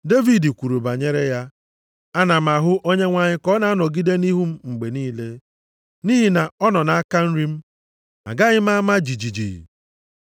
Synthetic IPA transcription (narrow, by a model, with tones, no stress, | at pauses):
de˦vi˨di˨kʷu˨ɾu˨ba˨ɲe˦ɾe˦ja˦ | a˦na˨m̩a˨ɦʊ˦ʔo˦ɲe˦ŋʷa˨ɲɪ˦kɔ˦na˨a˦nɔ˨ɡi˦de˦ni˦ɦu˦m̩˦ŋ͡m̩˨ɡ͡be˨niː˦le˦ | ni˦ɦi˨na˨ɔ˦nɔ˨na˨a˦ka˦n̩˦ɾi˦m̩˦ | a̰˨ɡa˦ɣɪ˦m̩˦a˦ma˦d͡ʒi˨d͡ʒi˨d͡ʒḭ˨ḭ˨